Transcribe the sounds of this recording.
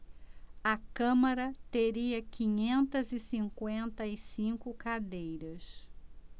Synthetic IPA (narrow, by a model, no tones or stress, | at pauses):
ɐkɐ̃maɾɐt̪eɾiɐkĩɲẽnt̪ɐzɪsĩŋkwẽnt̪ɐisĩkʊkad̪ejɾɐs